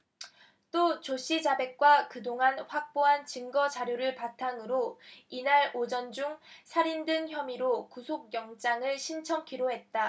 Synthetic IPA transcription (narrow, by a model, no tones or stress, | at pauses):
t͈ot͡ɕoɕ͈id͡ʑabe̞k̚k͈wakɯdoŋanɸwak̚p͈oɦant͡ɕɯŋɡʌd͡ʑaɾjoɾɯɭpatʰaŋɯɾoinaɾod͡ʑʌnd͡ʑuŋsʰaɾindɯnçjʌmiɾokusʰok̚jʌŋt͡ɕ͈aŋɯɭɕʰint͡ɕʰʌmkʰiɾoɦe̞t̚t͈a